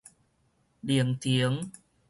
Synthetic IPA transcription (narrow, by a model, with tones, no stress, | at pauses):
di˨˩əŋt̪ʰi˧˦əŋ